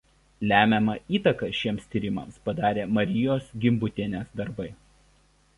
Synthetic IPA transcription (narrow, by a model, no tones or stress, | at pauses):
lʲæːmʲɛmɐʔiːt̪ɐkɐʃʲiɛmst̪ʲiːɾʲɪmɐ̰mspɐd̪ɑːɾʲeːmɐɾʲɪjoːsɡʲɪmbʊt̪ʲiɛnʲeːsd̪ɐɾbɐɪ